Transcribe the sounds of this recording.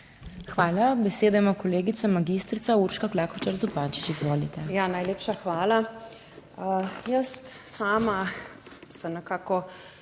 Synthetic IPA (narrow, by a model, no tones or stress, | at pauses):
xʋaːlabɛseːd̪ajmakɔleːɡit̪sɛmaɡist̪ɾisauːɾʃkaklaːkɔt͡ʃaɾzupaːnt͡ʃi̥t͡ʃizʋoːlit̪ɛjanajleːpʃaxʋaːla | jəst̪saːma | sɛmnɛkaːkɔ